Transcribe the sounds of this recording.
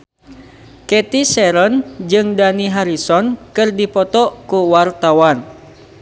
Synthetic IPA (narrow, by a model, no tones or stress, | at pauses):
kɛt̪isɛɾɔnd͡ʒɨŋdaniɦaɾisɔnkɨrdipɔt̪ɔkuwart̪awan